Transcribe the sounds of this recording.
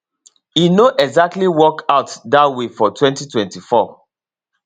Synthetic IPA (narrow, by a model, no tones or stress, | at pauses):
inoʔɛɡzak̚tliwɔkaʊtdatwefɔtʰwɛ̃ntitwɛ̃ntifɔ